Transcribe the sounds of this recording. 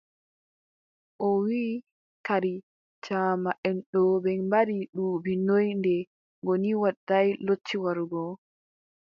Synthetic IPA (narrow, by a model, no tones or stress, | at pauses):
ʔɔwiː | kaɾi | t͡ʃaːmaʔɛnɗɔbɛnbaɾiɗuːbinojndɛ | ŋɡɔniwaɗajlot͡ʃːiwaɾuɡɔ